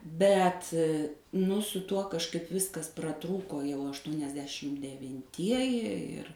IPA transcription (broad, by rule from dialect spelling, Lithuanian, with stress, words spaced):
ˈbʲɛt nʊ sʊ ˈtuɔ kɐʃˈkɐɪp ˈʋʲɪskɐs prɐˈtruːkoː jɛʊ ɐʃtuɔnʲɛzʲˈdʲæːʃʲɪm dʲɛʋʲɪnʲˈtʲiɛjɪ ˈɪr